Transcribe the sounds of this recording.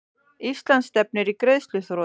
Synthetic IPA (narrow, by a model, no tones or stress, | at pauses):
islansːt̪ɛp̚nʏɾikɾeðslʏθɾo